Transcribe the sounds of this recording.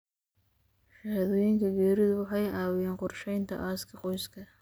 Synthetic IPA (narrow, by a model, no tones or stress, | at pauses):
ʃɐhðɔːjɪŋkʰɐɡɛːɾɪðʊwɑħɑjʔɑːwɪjɛːnqɔrʃɛjnt̪ʰɐ̰ʔaːskʰɐqɔjskʰɐ